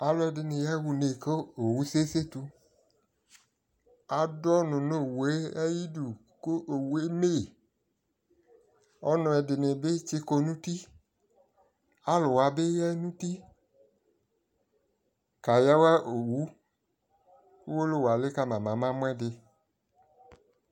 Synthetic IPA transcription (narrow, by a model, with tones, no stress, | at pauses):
a˨lɔ˦ɛ˧dɪ˧nɪ̃˧jɛ˦wu˧ne˨ko˦o˨wu˨˦se˦se˦tu˧ | a˨dɔ˦nʊ̃˨no˦˨we˦ɛ˦ji˦du˨ | ko˦ʔo˨we˦me˦˨ | ɔ˦nɔ̃˧ɛ˧dɪ˧nɪ˨bɪ˦t͡ʃɪ˧ko˧˦nũ˦ti˦ | a˨˦lʊ˨wa˧bɪ˦jɛ˦nũ˦ti˦ | ka˨ja˦wa˦ʔo˨wu˨˦ | ku˦wo˦lo˦˨wa˨lɪ˦ka˦mã˨mã˨˦mã˦mʊ̃˦ɛ˦dɪ˧